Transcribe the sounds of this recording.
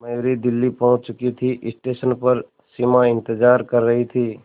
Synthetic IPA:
məjoːɾid̪ɪlːipɔ̃ɦʊ̃t͡ʃt͡ʃʊkit̪ʰiʔɪsʈeːʃənpɐɾ | simaɪ̃nt̪ɪd͡ʒaːɾkɐɾːɐɦit̪ʰiː

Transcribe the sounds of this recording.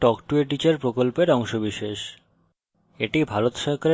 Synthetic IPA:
ʈɔkʈueʈ̬it͡ɕeɾpɾokolpeɾɔŋʃobiʃeʃ | eʈibʱaɾot̪ʃɔɾkaɾ

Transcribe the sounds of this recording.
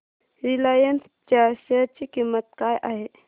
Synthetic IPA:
ɾilajəns | t͡ʃaɾsəɾt͡ʃikimət̪̚kajʔaɦe

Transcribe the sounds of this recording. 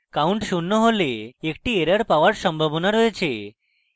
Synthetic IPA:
kawɳʈʃunːoɦoleekʈieɾəɾpaoaɾʃɔmbʱabonaɾoet͡ɕʰe

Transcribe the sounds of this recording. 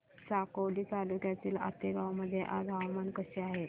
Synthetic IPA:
sakoʋliːt̪alukjat̪iːla̰t̪eɡawməd̪ʱːjeʔaɡʱaʋmankəɕeaɦe

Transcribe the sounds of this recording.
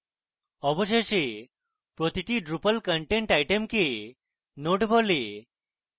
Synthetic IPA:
ɔbɔsese | pɾot̪iʈiɖɾupəlkəɳʈeɳʈajʈemke | noʈbʱɔle

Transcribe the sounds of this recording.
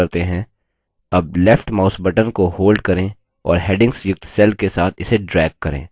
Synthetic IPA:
ɐɾt̪eɦɛ̃ | ɐb̚lɛfʈmaːʊsbəʈənkohoːlɖkɐɾẽ | ɔ̰ːɾɦɛːɖɪ̃ŋɡsjʊk̚t̪sɛːlkesaːt̪ʰɪseɖɾɛːɡ̚kːɐɾḛ̃ː

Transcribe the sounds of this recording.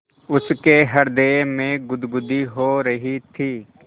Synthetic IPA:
ʊskeɦɐɾd̪eːmẽɡʊd̪ɡʊd̪iɦoːɾɐɦit̪ʰiː

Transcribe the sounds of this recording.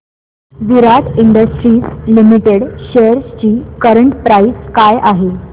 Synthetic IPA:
ʋiɾaʈ̪ʰiɳɖəsʈɾiːslimiʈeɽɕejəɾst͡ɕiːkəɾəɳʈpɾaiskajʔaɦe

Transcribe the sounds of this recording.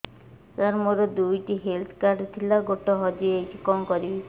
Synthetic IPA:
taɾmoɾɔd̪ujʈiɦelt̪ʰkaɾɖt̪ʰilaɡoʈɔɦɔd͡ʒiekikɔmkɔɾibi

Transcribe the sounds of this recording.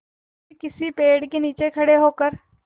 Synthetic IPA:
kɪsipeːɽkeniːt͡ʃekʰəɽeɦoːkəɾ

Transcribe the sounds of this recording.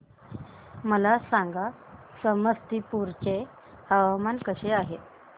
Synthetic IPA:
məlasaŋɡa | səməst̪ipuɾt͡ɕe | həʋamankəɕeaɦe

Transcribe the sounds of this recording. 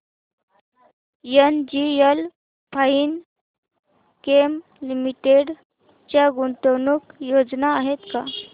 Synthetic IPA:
jənd͡ʑiəl | pʰain | kem | limiʈeɽ | t͡ɕjaɡunt̪əwnukjod͡znaːɦet̪ka

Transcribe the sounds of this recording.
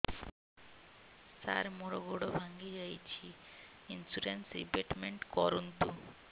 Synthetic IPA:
sa̰ɾmoɾoɡoɽobʱaŋɡid͡ʑajt͡ɕʰiinsuɾensɾḭpeʈmeɳʈkɔɾunt̪u

